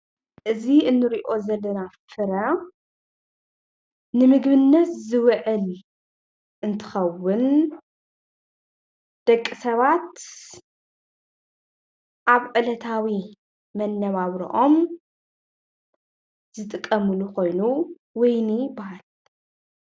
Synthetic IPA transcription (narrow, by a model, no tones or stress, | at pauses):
ʔɨziɨnːɨɾiʔo̞zɐlːɐnafɨɾɐ | nɨmɨɡβɨnːɐt̪zɨwʕɨl | ʔɨnt̪ʰɨ̥xɐwːʊn | d̪̥ɐkʼːisɐβat̪ | ʔaβʕɨlɐt̪ʰawi | mɐnːɐβaβɾḭʔo̞m | z̥ɨt̪ʼɨkʼːɐmɨlukʰo̞jnu | wɔjnibɐhal